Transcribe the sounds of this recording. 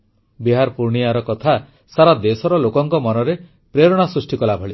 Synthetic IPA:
biɦaɾpuɾɳiaɾɔkɔt̪ʰa | saɾad̪esɔɾɔlokɔŋkɔmɔnɔɾe | pɾeɾɔɽ̃asɾusʈikɔlabʱɔɭi

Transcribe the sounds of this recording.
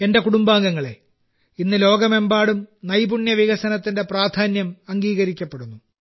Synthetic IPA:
e̞nde̞kuɽumbaːŋɡɐŋːɐɭe̞̰ | inːɨlo̞ːɡɐme̞mbaːɽumnɐjbuɳjɐʋiɣɐsɐnɐt̪ːinde̞praːd̪ʱaːnjɐmɐŋɡiːɣɐɾikʲːɐpːeɽunːu

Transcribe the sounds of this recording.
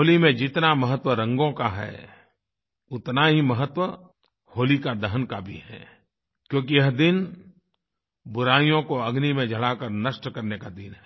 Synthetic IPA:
oːlimẽd͡ʒɪt̪namɐɦət̪wəɾɐ̃ŋɡõkaɦɛ̰ː | ʊt̪naɦimɐɦət̪wə | hoːlikad̪ɐɦənkabʱḭɦɛ̰ː | kjõːkijɐɦd̪ɪn | bʊɾaːijõkoɐɡnimẽd͡ʒʱɐɭakəɾnɐʃʈkɐɾnekad̪ɪnɦɛː

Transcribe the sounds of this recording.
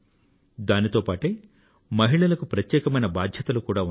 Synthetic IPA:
d̪aːnit̪o̞ːpaːʈeː | mɐɦiɭɐlɐkupɾɐt̪jɛːkɐmɐjnɐbaːd̪ʱjɐt̪ɐlukuːɽaːu

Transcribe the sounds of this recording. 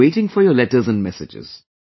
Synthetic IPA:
eɪʈɪ̃ŋfɔjəlɛʈəzæ̃nɖmɛsɪd͡ʒɪ̰z̥

